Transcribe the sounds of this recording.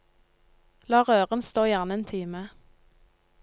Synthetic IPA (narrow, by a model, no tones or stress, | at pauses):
lɑːʁøːʁənst̪oːjæʁnəeːnt̪ʰiːmə